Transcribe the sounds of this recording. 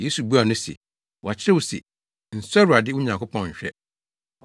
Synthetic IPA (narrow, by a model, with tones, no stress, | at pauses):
je˦su˨bu˦a˨nʊ̃˦sḛ˨ | wɔ˨a˨t͡ɕʰɪ˦ɾɛ˦wu˨sḭ˨ | n̩˨sa˦ɾu˨a˨dɪ˦wʊ˦ɲã˨ŋkʊ˦pʰɔ̃˨nɲ̩˨ɕᶣɛ˦